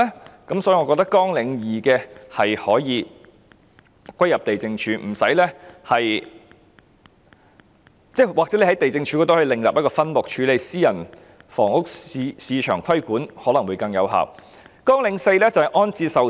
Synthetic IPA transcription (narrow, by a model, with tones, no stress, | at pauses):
ɛ˥kɐ˨˥msɔ˨˥ji˨˧ŋɔ˨˧kɔː˧k̚t̪ɐ˥kːɔː˥ŋlɪ˨˧ŋjiː˨˩kɛː˧hɐ˨jhɔː˨˥jiː˨˧ | kʷɐ˥jɐ˨p̚t̪e˨jt͡sɪ˧ŋt͡ʃʰyː˨˧m̩˨˩sɐ̰˨˥jlɛː˥hɐ˨j | t͡sɛː˥waː˨k̚t͡sɛ˨˥e˧˩hɐ˨˥jt̪e˨jt͡sɪ˧ŋt͡ʃʰyː˨˧kɔː˧t̪o˥hɔː˥˧˥lɪ˨ŋjaː˨p̚jɐ˥kɔː˧fɐ˥nmʊ˨˩k̚t͡ʃʰyː˨˧le˨jsiː˥jɐ˨˩n | fɔ̰ː˨˩ŋʊ˥k̚siː˨˧t͡ʃʰœ̰ː˨˩ŋkʷʰɐ˥jkuː˨˥nhɔː˨˥lɐ˨˩ŋwuː˨˧jkɐ˧ŋjɐ˨˧wɦa̰ː˨w | kɔː˥ŋlɪ˨˥ŋse˧jlɛ˥t͡sɐ˨˩hɐ˨jʔɔː˥nt͡siː˧sɐ˨w